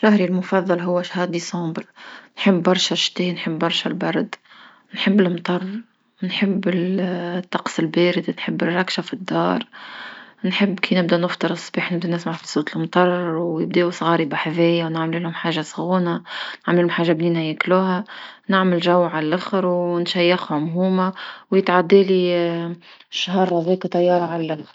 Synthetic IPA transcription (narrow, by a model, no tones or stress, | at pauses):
ɾˤɑhɾilmʊfɑðˤːɑlɦʊwːæʃhɑːd̪isˤɑ̃ːbəɾnħɪbːɑɾˤʃaʃt̪eːnħɪbːɑɾˤʃalbɑɾˤd̪ | nħɪbːɪlmt̪ˤɑrˤː | nħɪbːɪlt̪ːɑqsˤɪlbeːɾɪd̪nħɪbːɪrˤːɑkʃafid̪ːɑ̰ːɾˤ | nħɪbːkiːnɪb̚d̪ænɪft̪ˤɨɾɨsˤːbiːħnɪbd̪ænɪsmaʕfisˤuːt̪ɪlmt̪ˤɑrˤːwjɪb̚d̪iːusˤɣɑːɾibɪħavɛːjawnaʕmlɪlhʊmħaːʒːasˤɣuːnanaʕmlɪlʊmħaːʒːabniːnæjækluːɦænɪʕmɪlʒawːʕalælʔaxɾwnʃæjːaxwamɦuːmawjɪt̪ʕad̪ːɛːli | ʃɦɑːɾˤhæðɛːkat̪ˤɑjːɑːɾˤʕallʔaxɾ